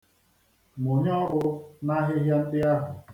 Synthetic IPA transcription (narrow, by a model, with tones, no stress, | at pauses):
mʊ˨ɲ˦ɔ˦ɾʊ˦na˦ɦɪ˦ɦja˦n̩˦dɪ˦a˦ɦʊ˨